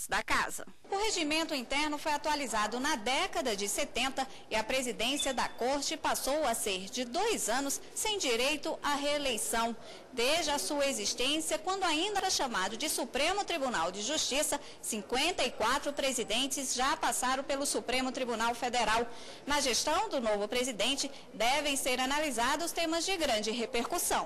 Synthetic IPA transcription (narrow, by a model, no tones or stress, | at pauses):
d̪ɐka̰zɐ | ʊɦeʒimẽnt̪ʊĩnt̪ɛɾnʊfojat̪ualizad̪ʊnɐd̪ɛkɐd̪ɐd͡ʒɪset̪ẽnt̪ɐ | ɪɐpɾezid̪ẽsiɐd̪ɐkoɾt͡ʃɪpasowɐseɾd͡ʒɪd̪ojzɐ̃nʊsːẽj̃d͡ʒiɾejt̪ʊʔaɦelejsɐ̃w̃ | d̪eʒd͡ʒɪɐsuɐezist̪ẽsiɐkwɐ̃nd̪ʊaĩnd̪ɐɛʃamad̪ʊd͡ʒɪsupɾẽmʊt̪ɾibunawd͡ʒɪʒuʃt͡ʃisɐ | sĩŋkwẽnt̪ɐikwat̪ɾʊpɾezid̪ẽnt͡ʃɪzʒapasaɾɐ̃w̃pelʊsupɾẽmʊt̪ɾibunawfed̪eɾaw | nɐʒest̪ɐ̃w̃d̪ʊnovʊpɾezid̪ẽnt͡ʃɪ | d̪ɛvẽj̃seɾanalizad̪ʊʊst̪ẽmɐzd͡ʒɪɡɾɐ̃d͡ʒɪɦepeɾkusɐ̃w̃